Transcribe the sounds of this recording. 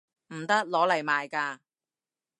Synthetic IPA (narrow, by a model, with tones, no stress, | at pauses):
m̩˨˩t̪ɐ˥k̚lɔː˨˥lɐ˨˩jmaː˨jkaː˧